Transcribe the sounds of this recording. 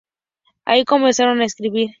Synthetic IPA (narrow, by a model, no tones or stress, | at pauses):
a̰iko̞mẽnsaɾo̞naeskɾiβiɾ